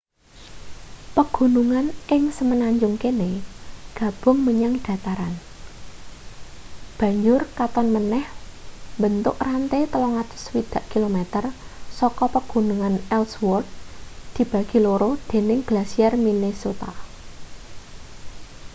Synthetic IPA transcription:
pəɡ̥ṳnuŋanʔɪŋsəmənaɲd͡ʒʊŋkeneɡ̥ä̤b̥ʊ̤ŋməɲaŋɖ̥a̤t̪aɾan | b̥ä̤ɲd͡ʒʊrkat̪ɔnmənɛhmbənt̪ʊʔrant̪et̪əlɔŋat̪ʊ̥swid̪̥a̤ʔkilomɛt̪ərsɔkɔpəɡ̥ṳnuŋanɛlswɔrt̪̚d̪̥i̤b̥ä̤ɡ̥i̤loɾod̪̥e̤nɪŋɡ̥lasiarminesot̪a

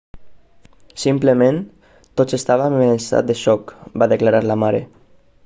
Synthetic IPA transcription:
simplemẽn | t̪ot̪sest̪aβ̞ameensa̰t̪̚d̪eʃɔkbaðeklaɾaɾlamaɾe

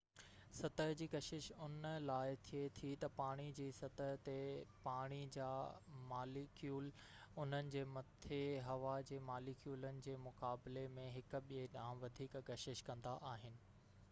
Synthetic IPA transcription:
sɐt̪əɦd͡ʑiːkɐʃɪʃʊnəlaːɪt̪ʰiet̪ʰit̪ɐpaːɽ̃id͡ʑiːsɐt̪əɦt̪epaːɽ̃id͡ʑaːmaːlikjuːl | ʊn̤ənɪ̆d͡ʑeːmɐt̪ʰeɦɐʋad͡ʑeːmaːlikʰjuːlənɪ̆d͡ʑeːmʊkaːbɪlemẽɦɪk̆ɓieɗãːʋɐd̪ʱiːkɡɐʃɪʃkɐ̃nd̪aʔaːɦɪnɪ̆

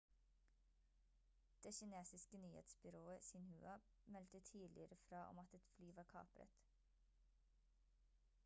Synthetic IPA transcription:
d̪̥eːçɪneːsɪskənyːhḛːt̪sbʏɾoːəsɪnhʉ̰ːʔɑ | mɛlt̪ət̪ʰiːlʔɪ̰əɾəfɾɑːʔɔ̰mɑt̪ɛt̪flyːʋɑːkʰɑ̰ːpɾə̰t̪

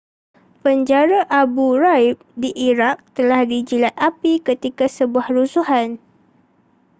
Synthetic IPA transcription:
pəɲd͡ʒaɾaʔabuɾaip̚diʔiɾak̚t̪əlahdid͡ʒilat̪̚apikət̪ikasəbuahɾusuɦan

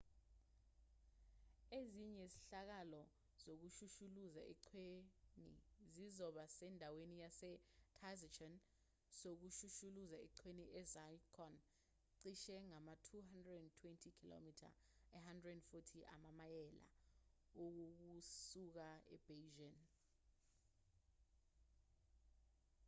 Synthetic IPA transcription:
eziɲɛsiɬak̬alɔ | zok̬uʃuʃuluzaʔɛǀʰwenḭzizɔɓasɛndʱawenijasɛtʰazat͡ʃʰɔn | sok̬uʃuʃuluzaɛ̰ǀʰweniʔɛzajkʰɔn | ǀiʃɛŋamatʰuɦandrɛdɛntʰwɛntʰikʰilo̰mitʰa̰ | ɛɦandrɛdɛnfɔtʰiʔa̰mamajɛla̰ | ok̬uk̬usuk̬aɛ̰b̥eʒan

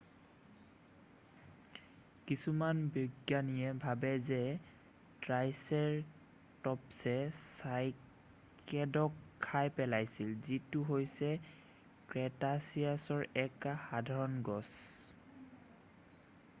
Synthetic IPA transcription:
kisumanbjɔɡjanijɛbʱabɛzɛ | tɹajsɛɹ | tɔpsɛsaj | kɛdɔkʰːajpɛlajsilzituɦojsɛ | kɹɛtasiasɔɹɛkaxadʱaɹɔnɡɔs

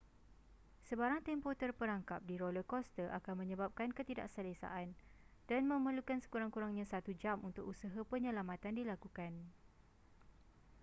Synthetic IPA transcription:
səbaɾaŋt̪ɛmpot̪ərpəɾaŋkap̚diɾoləkɔst̪əʔa̰kanmə̃ɲə̃bap̚kankət̪ida̰ʔsalesa̰ʔand̥anmə̃məlukansə̥kuɾaŋkuɾaŋɲãsat̪ud͡ʒamunt̪ʊkusaɦapəɲə̃lamãt̪andilakukan

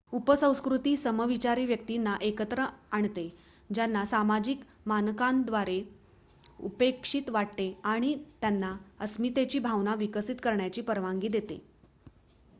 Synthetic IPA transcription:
upəsə̃w̃skɾut̪iːsəməʋit͡ɕaɾiːʋjək̚t̪inːaʔekət̪ɾəaɳt̪e | d͡ʑjanːasamad͡ʑik | mankãnd̪ʋaɾe | ṵpekʂit̪ʋaʈ̚t̪eaɽ̃it̪janːaəsmit̪et͡ɕiːbʱaʋnaʋikəsit̪kəɾɳjat͡ɕiːpəɾʋaŋɡiːd̪et̪ḛ

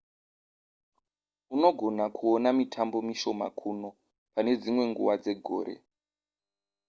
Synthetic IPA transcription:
uno̞ɡʱo̞nakʰuonamitʰambo̞miʃo̞ma̰kʰuno̞ | pane̞d͡zimwe̞ŋɡuʋad͡ze̞ɡʱo̰ːɾe̞̰

